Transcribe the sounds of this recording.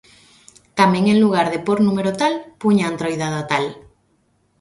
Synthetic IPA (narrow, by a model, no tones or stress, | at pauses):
t̪amẽŋeŋluɣ̞aɾðepoɾnumeɾot̪alpuɲaːnt̪ɾojðaðot̪al